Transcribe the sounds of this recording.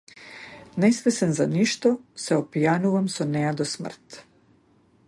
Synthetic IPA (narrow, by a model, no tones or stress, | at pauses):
nɛsvɛsɛnzaniʃt̪ɔsɛɔpijanuvamsɔnɛjad̪ɔsmr̩t̪